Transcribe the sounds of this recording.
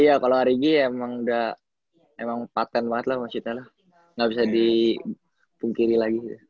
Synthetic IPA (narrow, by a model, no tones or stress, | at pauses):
ijakaloaɾiɡiemaŋda | emaŋpat̪ɛnbaŋət̪lahmasit̪alah | ŋɡabis̬adi | puŋkiɾilaɡit̪u